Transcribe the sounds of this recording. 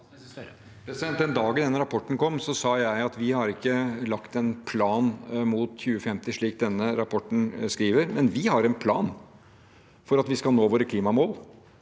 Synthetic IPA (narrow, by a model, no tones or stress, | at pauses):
pɾɛsɪd̪ɛnt̪ːɛnd̪ɑːɡnɛnːəɾɑpʰɔʈːɳ̩kʰɔmːsɔsɑːjæɪɑt̪ʋɪhɑɾɪkːəlɑkt̪ɛnpʰlɑːnmuːt̪çʉːəfɛmt̪ɪʂɭiːk̚d̪ɛnːəɾɑpʰɔʈɳ̩skɾiːʋəɾmɛnʋɪhɑɾɛnpʰlɑːn | fɔɾɑt̪ʋɪskɑlnoːʋoːɾəkʰliːmɑmoːl